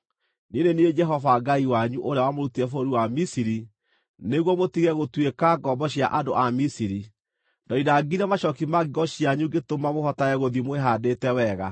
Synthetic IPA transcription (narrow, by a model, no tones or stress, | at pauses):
ninenied͡ʒɛɦɔvaɡaiwaɲuʔoɾeawamoɾutiɛfoɾiwamisiɾi | neɣwɔmotiɣɛɣotwekaɡɔbɔɕja̰ʔadoʔamisiɾi | dɔiɾaɡiɾɛmaʃɔkimaɣiɣɔɕjaɲuɡetomamohɔtaɛɣoðimweɦadetɛwɛɣa̰